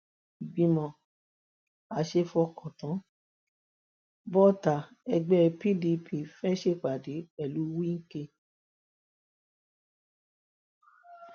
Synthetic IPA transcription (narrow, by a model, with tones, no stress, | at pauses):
i˨ɡ͡bĩ˧mɔ̃˨ | a˨˧˦ʃe˧fɔ˧kɔ̃˨tã˨˦ | bɔ˦ta˨ | ɛ˧ɡ͡bɛ˦˧pi˦di˧pʰi˧fɛ˦ʃe˦˨k͡pa˨de˨˦ɛ˦˨lu˨˦wi˦ŋ̩˦ke˧